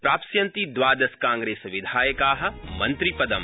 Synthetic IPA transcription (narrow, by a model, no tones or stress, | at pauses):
pɾaːpsjɐnt̪id̪ʋaːd̪ɐskãːŋɡɾeːsʋid̪ʱaːjɐkaːɦɐ̆mɐnt̪ɾipɐd̪ɐm